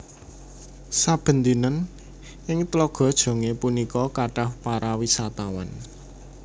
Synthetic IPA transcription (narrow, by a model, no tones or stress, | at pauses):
sab̥ə̤nd̪inən | ʔɪŋt̪lɔɡ̥ɔ̤d̥ʒ̥ɔ̤ŋepunikɔkaɖ̥a̤hpaɾʔawisat̪awa̰n